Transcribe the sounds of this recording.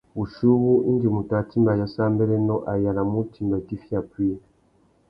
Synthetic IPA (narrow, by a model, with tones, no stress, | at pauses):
βu˨ʃu˦βu˦ʔi˦ndi˨mu˨ta˨ti˦mba˨jɔ˨sa˦mbɛ˦lɛ˦nɔ˦ʔa˨ja˨la˨mu˦ti˨mba˨ti˦fi˦a˨pi˦˨